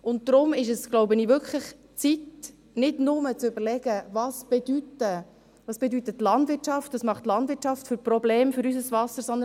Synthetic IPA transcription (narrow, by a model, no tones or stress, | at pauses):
ʊntdɾʊmɪʃəsɡ̥loʊbəniːvʏɾkʰχləχ | t͡sit | nɪdnʊmət͡sʏbəlɛɡ̥əvɑsb̥ɛdytə | vɑːsb̥ɛdytətːlɑndvɪɾt͡ʃɑftɑsmɑχtlɑndvʋɪt͡ʃɑftfʏɾprɔbleːmfʏɾysəsvɑsəɾsɔnd̪ən